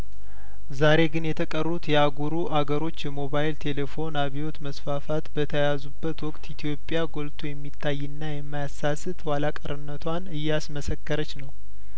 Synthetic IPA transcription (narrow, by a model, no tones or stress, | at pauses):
zaɾe̞ɡɨnjɛt̪ʰəkʼərːut̪jɛaɡuɾuʔaɡəɾo̞t͡ʃːjɛmo̞βajilt̪ʰe̞le̞fo̞naβiwo̞t̪məsfafat̪bət̪ʰəjazubːət̪wɔkʼt̪ʰit̪ʰijo̞pʼjaɡo̞lt̪ʰujɛmːit̪ʰːajːɨnːajɛmːajasːasɨt̪walakʼəɾɨnːət̪ʰwanɨjːasməsəkːəɾət͡ʃːnəw